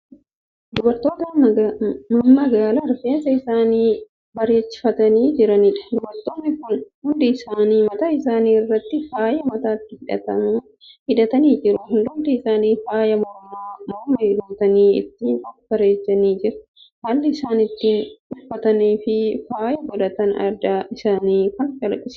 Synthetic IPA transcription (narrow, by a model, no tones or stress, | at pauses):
d̪ʊbɐɾt̪ːo̞ːt̪ɐ | mɐmɐɡaːlɐɾfeːsɐɪsaːniː | bɐɾeːt͡ʃːɪ̥fɐt̪ɐniːd͡ʒɪɾɐniᶑɐ̥d̪ʊbɐɾt̪oːnːɪkʊnhʊnd̪ɪɪsaːniːmɐt̪aːɪsaːniːɪrːɐt̪ːɪfaːjɐmɐt̪aːɪt̪ːɪhɪᶑɐ̰t̪ɐm | hɪᶑɐt̪ɐniːd͡ʒɪɾʊɦʊnd̪ʊnt̪ɪɪsaːniːfaːjɐmɔɾmaːmɔɾmɐduːt̪ɐniːɪ̰t̪ːiːnkɐb̥ɐɾeːt͡ʃːɐniːd͡ʒɪɾɐ̥ | haːlːɪɪsaːnɪt̪ːiːnᶑʊfːɐt̪ɐniːfɪfaːjɐbɔd̪ɐt̪ɐnɐ̰ɾd̪aːɪsaːniːfɐnkʼɐlɐkɪs